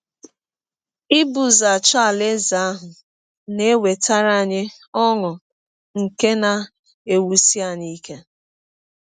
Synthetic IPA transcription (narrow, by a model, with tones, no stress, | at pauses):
ɪ˦bu˨za˨t͡ʃa˨le˦za˨a˦ɦʊ˨ | ne˦we˨ta˦ɾa˦˨ɲɪ˦ | ɔ˦ŋʊ˨ | ŋ̩˨ke˦na˨ | e˨wu˨si˦a˦˨ɲi˦ke˦